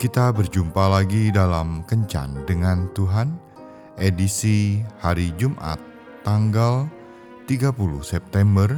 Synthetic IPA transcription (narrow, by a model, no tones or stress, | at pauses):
kit̪abərd͡ʒumpalaɡidalamkəɲt͡ʃa̰ndəŋant̪uɦan | ʔedisihaɾid͡ʒumʔa̰t̪ː | aŋɡal | t̪iɡapuluhsɛp̚t̪ɛmbər